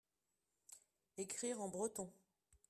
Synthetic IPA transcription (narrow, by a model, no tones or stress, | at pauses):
ekχiʁɑ̃bʁət̪ɔ̃